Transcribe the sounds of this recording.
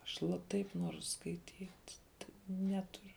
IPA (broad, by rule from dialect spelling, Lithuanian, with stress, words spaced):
ɐʃ lˠɐ ˈtɐɪp ˈnuɔrʊ skɐɪˈtʲiːtʲ tʲɪ ˈnʲæːtʊrʲʊ